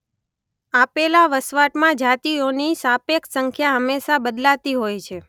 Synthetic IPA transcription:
apelaʋəsʋaʈmãd͡ʒat̪ionisapeksəŋkʰjaɦəmːeʃabəd̪lat̪iɦojt͡ʃʰe

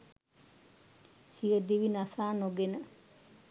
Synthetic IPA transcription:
sijəd̪iʋinasaːnoɡenə

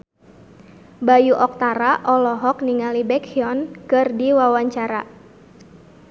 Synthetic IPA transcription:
bajuʔɔk̚t̪aɾaʔɔlɔɦɔkniŋalibɛkʰiɔnkɨrdiwawaɲt͡ʃaɾa

